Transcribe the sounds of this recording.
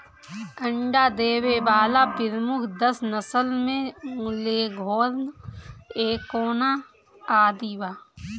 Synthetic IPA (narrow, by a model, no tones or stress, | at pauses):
kə̃ɳɖad̪eːwebaːlapɪɾmʊkʰd̪əsnəsəlmẽmʊleɡʱoːɾn | eːkoːna | aːd̪iʋaː